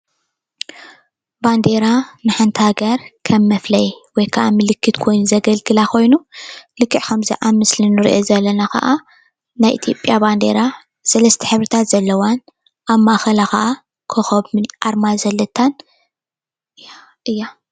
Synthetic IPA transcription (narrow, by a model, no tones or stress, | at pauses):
band̪eɾanɨħant̪ʰhaɡɐɾkʰɐmːɐflɐjwɔjkʰɐʔamɨlɨkʰːɨt̪kʰo̞jnuzɐɡɐlɡɨlakʰo̞jnulɨkʰːɨʕkʰɐmzḭʕamːɨslinɨɾḭʔozɐlːɐnaxɐ̰ʔa | najʔḭt̪ʰjo̞pʼjaband̪e̞̰ɾa | sɐlɐst̪ʰiħɨβɾɨt̪ʰat̪z̥ɐlːɐwan | ʔaβmaxɐlaxɐʔa | kʰoxɐβmɨʔaɾmazɐlːɐt̪ʰːan | a | ʔɨjːa